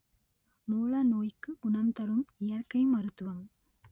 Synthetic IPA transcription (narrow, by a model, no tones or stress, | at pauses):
muːlɐnoːjkːɯʊɳɐmt̪ɐɾɯmɪjɐrkɐɪmɐɾɯt̪ːɯʋɐm